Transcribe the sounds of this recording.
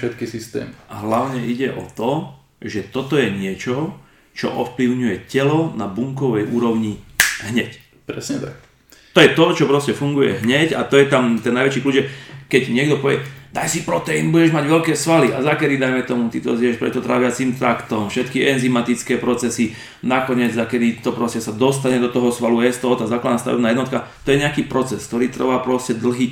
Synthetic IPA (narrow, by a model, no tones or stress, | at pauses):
ʃɛt̪kisist̪ɛ̰ːmiʔaɦlaʊɲɛʔiɟɛʔɔ̰t̪ɔ | ʒɛt̪ɔt̪ɔjɛɲɪɛt͡ʃɔ | t͡ʃɔ̰ʔɔfpliʊɲujɛcɛlɔnabuŋkɔʋɛjṵːɾɔʊɲiɦɲɛc | pɾɛsɲɛt̪a̰k̚ | t̪ɔjɛt̪ɔt͡ʃɔpɾɔscɛfuŋɡujɛ̰ɦɲɛcat̪ɔjɛt̪amt̪ɛnːajʋɛt͡ʃikluːd͡ʒʒɛkɛɟɲɪɛɡd̪ɔpɔʋɪɛd̪ajsipɾɔt̪ɛinbuɟɛʒmaɟʋɛʎkɛːsʋalia̰zakɛd̪id̪ajmɛt̪ɔmut̪it̪ɔ̰ziɛʃpɾɛ̰t̪ːɔt̪ɾa̰ːʋɪat͡simt̪ɾakt̪ɔmfʃɛt̪kiɛnzimat̪it͡skɛːpɾɔt͡sɛsi | nakɔɲɪɛd͡zzakɛd̪it̪ɔpɾɔscɛsad̪ɔst̪aɲɛd̪ɔt̪ɔɦɔsʋaluɛst̪ɔɦɔt̪aːzaːklad̪naːst̪a̰ʋɛ̰bnaːjɛd̪nɔt̪kat̪ɔjɛɲɛakiːpɾɔt͡sɛskt̪ɔɾiːt̪r̩ʋapɾɔscɛd̪l̩ɦiː